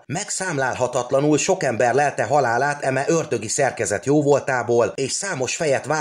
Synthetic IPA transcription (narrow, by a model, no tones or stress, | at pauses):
mɛksaːmlaːlɦɒt̪ɒt̪lɒnulʃo̞kɛmbɛrlɛlt̪ɛɦɒlaːlaːt̪ɛmɛʔørd̪ø̞ɡisɛrkɛzɛt̪joːvo̞lt̪aːboːleːʃsaːmo̞ʃfɛjɛt̪ʋaː